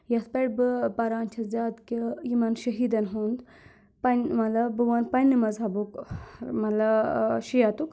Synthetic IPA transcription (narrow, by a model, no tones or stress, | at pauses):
jɐspeʈbɨpɐɾaːnt͡ʃʰɐszʲaːd̪kijimɐnʃɐɦiːd̪ɐnɦund̪ | pɐnmɐlɐbɨʋɐnpɐnʲːimɐzɦɐbukmɐlɐʃijat̪uk